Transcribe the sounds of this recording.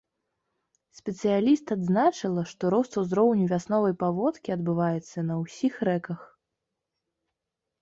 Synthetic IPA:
sʲpʲɛt̪sɨjalʲist̪ad̪znat͡ʂɨlˠɐʂt̪ɔɾɔst̪uzɾɔwnʲuvʲasnɔvɐjpavɔt̪kʲiɐd̪bɨvajɛt̪sːɐnɐwsʲixɾɛkɐx

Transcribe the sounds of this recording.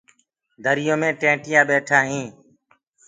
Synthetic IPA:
d̪ʱəɾɪjõːmẽːʈẽːʈɪjãːɓeːʈʰaːɦĩː

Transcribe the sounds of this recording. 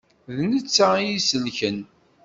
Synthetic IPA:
ðnət͡sːajisəlçən

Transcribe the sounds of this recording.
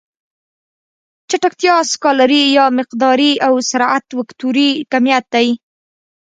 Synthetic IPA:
t͡ʃaʈakt̪jɑskɑlaɾijɑmɪqd̪ɑɾiawsaɾat̪wakt̪uɾikamjat̪̚d̪aj

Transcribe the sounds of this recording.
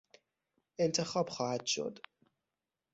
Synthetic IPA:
ʔe̞nt̪ʰe̞xɒːbxɒːhæd̪̥ʃo̞̰d̪

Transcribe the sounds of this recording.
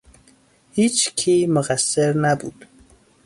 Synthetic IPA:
hiːt͡ʃkʰiːmoɣæsːeɾnæbuːd̪̥

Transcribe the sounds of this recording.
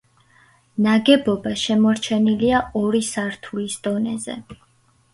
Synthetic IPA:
naɡɛbɔbaʃɛmɔɾt͡ʃʰɛniliaɔɾisaɾt̪ʰulisd̪̥ɔnɛzɛ̰

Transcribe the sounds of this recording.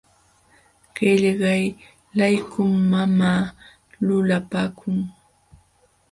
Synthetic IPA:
ɢ̥eʎɢɑj | lajkʊmːamaː | lʊlapaːkʰʊŋ

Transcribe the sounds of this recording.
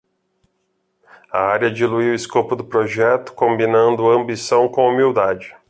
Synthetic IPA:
ɐ̰aɾjɐd͡ʒiluiwɪskopʊd̪ʊpɾoʒɛt̪ʊ̥kõmbinɐ̃nd̪ʊɐ̃mbisɐ̃w̃kõw̃umiwd̪ad͡ʒɪ

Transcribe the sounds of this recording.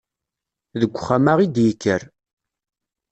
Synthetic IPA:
ðəɡʷːχamaʁid̪jəkːəɾ

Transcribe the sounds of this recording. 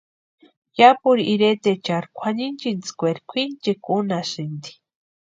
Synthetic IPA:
japuɾiʔiɾet̪et͡ʃaɾkʷʰanint͡ʃint͡skʷeɾikʷʰint͡ʃekunasind̪i̥

